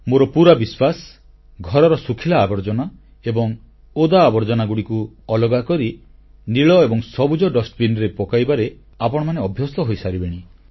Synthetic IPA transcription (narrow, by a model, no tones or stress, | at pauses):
moɾɔpuɾabiswas | ɡʱɔɾɔɾɔsukʰilaːbɔɾd͡ʒɔna | ebɔŋ | od̪aːbɔɾd͡ʒɔnaɡuɽiku | ɔlɔɡakɔɾi | niɭɔebɔŋsɔbud͡ʒɔɖɔsʈbinɾepɔkajbaɾe | apɔɽ̃ɔmaneɔbʱjɔsɔɦojsaɾibeɽ̃i